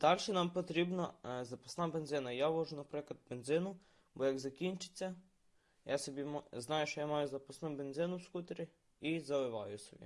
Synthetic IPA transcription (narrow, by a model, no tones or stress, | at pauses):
d̪̥alʲʃɛnampɔt̪ɾʲibnazɐposnabenzɪnɐjaʋɔʒʊnɐpɾɛkˠɐt̪̚bend̪zɪnʊ | bɔjaɡzɐkint͡ʃɪ̥t͡s̪ʲa | jasɛbimznajɛʃt̪ɔjamajʊzɐpɔsnombend̪zɪnʊwskut̪ɾʲi | izɐʋɪʋajʊsɔbḭ